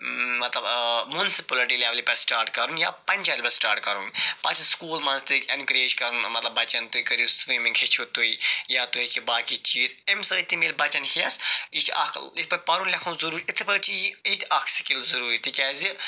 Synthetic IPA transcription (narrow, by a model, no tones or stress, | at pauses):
mɐt̪lɐbmunsipɐliʈileʋlipɐɾsʈaːɾʈkɐɾunjaːpɐnʲt͡ʃaɾʲpɐsʈaːɾʈkɐɾunpɐt͡ʃʰskuːlmɐnzt̪ikʲɐnkɾeːʃkɐɾunmɐt̪lɐbːɐt͡ʃɐnt̪uikɐɾissʋiːmĩŋkʰʲit͡ʃʰut̪uijaːt̪oikʰibaːkit͡ʃiːzemsɐːit̪imiːlbɐt͡ʃɐnhiɐsit͡ʃ̪ʰɐ̰kʰlit̪ʰpɐpɐɾunlʲɐkʰɐ̃ːnzɐɾuːɾit̪ʰipɐt͡ʃʰiit̪ʰakʰsi̥kilzɐɾuːɾit̪ikʲaːzi